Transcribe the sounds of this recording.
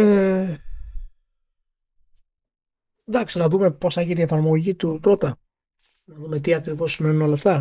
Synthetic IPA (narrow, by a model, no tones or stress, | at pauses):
e | d̪ɐksinɐðume̞po̞sθɐʝinie̞fɐɾmo̞ʝit̪ut̪ɾo̞t̪ɐ | nɐðumet̪iɐkɾivo̞simenuno̞lɐft̪ɐ